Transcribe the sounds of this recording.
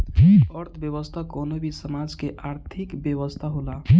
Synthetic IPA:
əɾt̪ʰbjəwəst̪ʰakoːnobʱisəmaːd͡ʒkeʔaːɾt̪ʰɪkbjəwəst̪ʰaɦola

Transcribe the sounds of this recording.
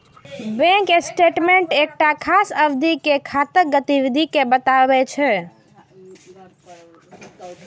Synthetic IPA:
bɛ̃ŋkesʈeʈmeɳʈek̚ʈakʰasəbd̪ʱikekʰat̪ək̚ɡət̪iwid̪ʱikebət̪abɛt͡ʃʰɛ

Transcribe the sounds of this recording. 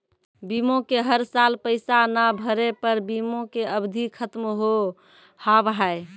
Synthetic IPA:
bimõkeɦəɾsalpəɪsanabʱəɾepəɾbimõkeəbd̪ʱikʰət̪mɦo | haʋɦae

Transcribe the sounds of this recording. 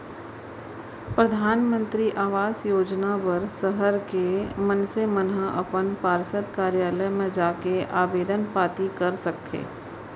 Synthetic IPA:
pɾəd̪ʱaːnmə̃nt̪ɾiʔaːʋaːsjoːd͡ʒnapɐɾsəɦəɾkemənsemənɦəʔɐpənpaːɾsət̪kaːɾjaːləjmẽd͡ʒaːkeʔaːbeːd̪ənpaːt̪ikɐɾsɐk̚t̪ʰḛː

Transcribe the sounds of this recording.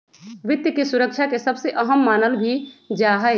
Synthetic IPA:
ʋɪt̪jəkesuɾək̚t͡ʃʰakesəbseʔəɦəmːaːnəlbʱid͡ʒaɦə

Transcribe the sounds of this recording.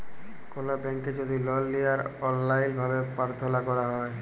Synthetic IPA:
kolabɛŋked͡ʑod̪ʱilɔlːijaɾɔlːajlbʱabepaɾt̪ʰolakɔɾaɦɔe

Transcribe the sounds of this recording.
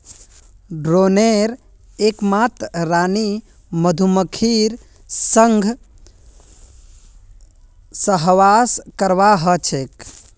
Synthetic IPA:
ɖɾoneɾ | ekmat̪ɾani | məd̪ʱuməkʰiɾ | səŋɡʱ | səɦʋaskəɾʋaɦət͡ʃʰek

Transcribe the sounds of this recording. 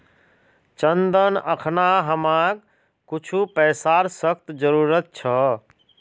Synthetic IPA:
t͡ʃənd̪ənəkʰnaɦəmãk | kut͡ʃʰupɛsaɾsəkʰt̪d͡ʒəɾuːɾət̪̚t͡ʃʰə

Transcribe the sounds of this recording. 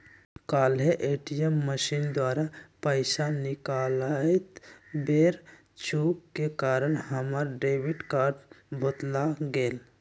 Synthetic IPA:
kaːlɦeʔeːʈijəmːəʃind̪waːɾapəɪsanɪkalaet̪beɾ | t͡ʃʰukkekaːɾəɳhəməɾɖebiʈkaːɾɖbʱot̪laɡeːl

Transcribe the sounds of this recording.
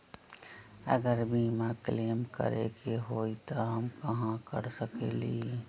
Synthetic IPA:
ə̰ɡəɾbiːmakleːmkə̰ɾḛkeɦoːit̪oɦəmkəɦãkəɾsəkeːli

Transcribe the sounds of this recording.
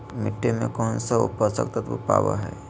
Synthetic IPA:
mɪʈːemḛ̃kɔːnsaʊ̰pəɾsə̰k̚t̪ət̪ʋo̰pa̰ːʋa̰ɦɛ̰ː

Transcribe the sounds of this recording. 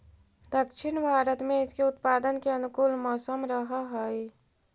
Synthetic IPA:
d̪əkʃɪɽ̃bʱaːɾət̪mẽɪskeʊt̪paːd̪ənkeɐnʊkʊlmɔːsəmɾɐɦaɦɛi

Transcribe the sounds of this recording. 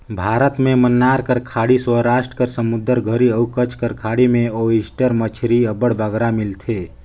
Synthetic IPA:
bʱaːɾət̪mẽmənːaːɾkəɾkʰaːɽiswəɾaːʃʈɾə̥kəɾsəmud̪əɾɡʱəɾiəukət͡ʃʰkəɾkʰaːɽimẽoisʈəɾmət͡ʃʰɾiəbəɽbəɡɾamɪlt̪ʰe

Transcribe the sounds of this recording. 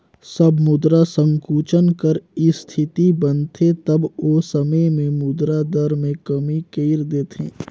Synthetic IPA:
sɐbmʊd̪ɾasə̃ŋkuːt͡ʃənkəɾist̪ʰɪt̪ibɐnt̪ʰet̪ɐboːsɐməjmẽmʊd̪ɾad̪əɾmẽkɐmikeɪɾd̪eːt̪ḛ̃ː

